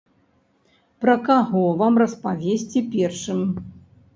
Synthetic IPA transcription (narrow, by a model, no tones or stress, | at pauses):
pɾɐkaɣɔvamrɐspavʲesʲt͡sʲipʲɛrʂɨm